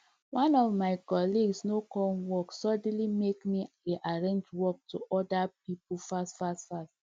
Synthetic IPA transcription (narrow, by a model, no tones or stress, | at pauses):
wãnɔvmaɪkɔliɡsnokɔwɔksɔd̃nlimekmi | eʔaɹẽnd͡ʒwɔk̚tuʔɔdap̚ipufastfastfast